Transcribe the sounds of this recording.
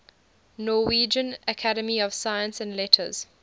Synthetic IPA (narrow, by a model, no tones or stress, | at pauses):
nɔwiːd͡ʒə̃nəkʰaɾəmiɔv̥sajə̃nsæ̃nlɛtʰə̰z̥